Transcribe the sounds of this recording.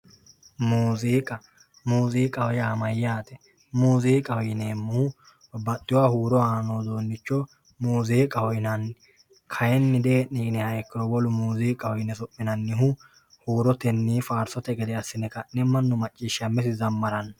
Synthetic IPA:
muːziːkʼɐ | muːziːkʼɐwɔjaːmɐjːaːt̪ɛ̥ | muːziːkʼɐwjneːmːʊhʊ | bɐt̪ːɪwaːhuːɾɔaːnoːd̪o̞ːnːɪt͡ʃːɔ | muːziːkʼɐwɔjnɐn | kʰɐjɛnːɪd̪eːniːnɛhɐɛkːɪɾɔwɔlʊmuːziːkʼɐwɔjnɛsɔpʼːɪnɐnːɪɦʊ | huːɾɔt̪ɛnːiːfaːɾsɔt̪ɛɡɛd̪ɛɐsːɪnɛkɐnɛmːɐnːʊmɐt͡ʃʼːiːʃːɐmːɛsɪzɐmːɐɾɐn

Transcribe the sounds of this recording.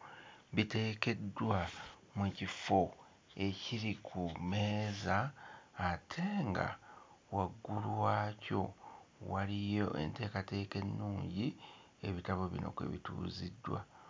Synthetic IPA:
βite̞ːke̞dːwa | mwecifo̞ | e̞ciɾikʰumeːzaː | tʰe̞ŋɡa̰ | waɡːulwaːco̞̰walijo̞ʔe̞̰nte̞ːkate̞ːke̞nːuːɲɟi | e̞βitaβo̞βḭno̞̰kḛβḭtṵːzidːwa̰

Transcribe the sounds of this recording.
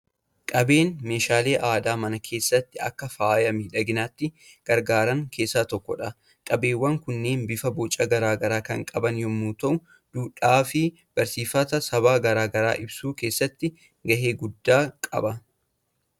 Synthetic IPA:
kʼɐbe̞ːnme̞ːʃaːle̞ːʔaːd̪aːmɐnɐkʰe̞ːsːɐt̪ːɪɐ̰kːɐfaːjɐmɛᶑɐɡɪnaːt̪ːɪ | ɡ̥ɐɾɡaːɾɐŋkʰe̞ːsːaːt̪ɔkːɔᶑɐ | kʼɐbe̞ːwːɐŋkʊnːe̞ːnbɪfɐbɔt͡ʃʼːɐɡɐɾaːɡɐɾaːkɐŋkʼɐbɐnjɔmːuːt̪ɐʔʊ | d̪̥uːᶑaːfɪ | b̥ɐɾsiːfɐt̪ɐsɐβaːɡɐɾaːɡɐɾa̰ːʔɪbsuːke̞ːsːɐt̪ːɪ | ɡɐɦe̞ːɡʊd̪ːaːkʼɐ̰bɐ

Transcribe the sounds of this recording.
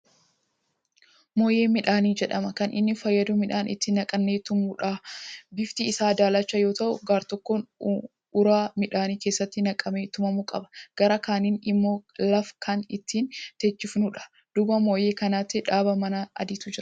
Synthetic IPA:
mo̞ːje̞ːmɪᶑaːniːd͡ʒɛᶑɐmɐkɐnʔɪ̰nːɪfɐjːɐd̪ʊmɪᶑaːnʔɪ̰t̪ːɪnɐkʼɐnːeːt̪ʊmuᶑabɪft̪iːsaːd̪aːlɐt͡ʃːɐjo̞ːt̪ɐʔʊɡaːɾt̪ɔkːon | ʊɾaːmɪᶑaːniːke̞ːsːɐt̪ːɪnɐkʼɐmeːt̪ʊmɐmukʼɐbɐ̥ɡ̥ɐɾɐkaːniːnɪmːo̞ːlɐfkʰɐnɪt̪ʰːiːnt̪ɛt͡ʃːɪfnʊᶑɐ̥ | d̪̥ʊbɐmo̞ːje̞ːkɐnaːt̪ːɪᶑaːbɐmɐnaʔɐ̰d̪ɪt̪ʊd͡ʒɪɾɐ

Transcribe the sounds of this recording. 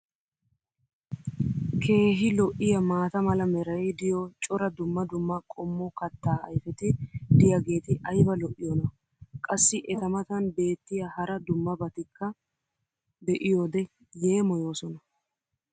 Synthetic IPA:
kʰe̞ːɦɪlɔʔɪjɐmaːt̪ɐmɐlɐmɛɾɐjd̪ɪjɔt͡ʃʼɔɾɐd̪ʊmːɐd̪ʊmːɐkʼɔmːɔkɐt̪ːaːɐ̰jfɛt̪ɪd̪ɪjɐɡe̞ːt̪ɪʔɐjbɐlɔʔːɪjɔnɐ | kʼɐsːɪʔɛt̪ɐmɐt̪ɐnbe̞ːt̪ːɪjahɐɾɐd̪ʊmːɐbɐt̪ɪkːɐ | d̪ɛʔɪjoːd̪ɛ | je̞ːmɔjo̞ːsɔnɐ

